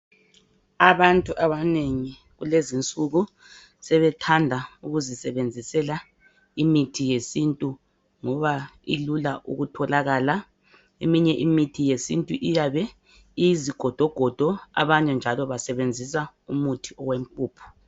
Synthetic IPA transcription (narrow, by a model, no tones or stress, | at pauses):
aβantʼuʔaβaneŋi | ɣulezint͡sʼuɣu | sɛβɛtʰandʱauɣuzisɛβend͡zʱisɛla | imitʰijesintʼu | ŋɔβaḭlulaʔṵɣutʰɔlaɣaːla | emiɲɛʔimitʰijesḭntʼuʔijaβɛ | ijiziɡ̥ʱɔd̥ʱɔɡ̥ʱɔd̥ʱɔa̰βaɲɛnd͡ʒʱalɔβasɛβend͡zʱis̬a | umutʰiɔɣwem̩pʼuːpʰu̥